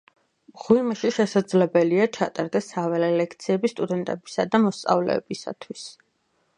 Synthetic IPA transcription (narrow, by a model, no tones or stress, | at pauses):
ʁwimaʃiʃɛsad̪zlɛbɛliat͡ʃʰat̪ʼaɾd̪ɛsavɛlɛlɛkʰt̪sʰiɛbist̪ʼud̪ɛnt̪ʼɛbisad̪amɔst̪sʼa̰vlɛ̰ːbisa̰t̪ʰwis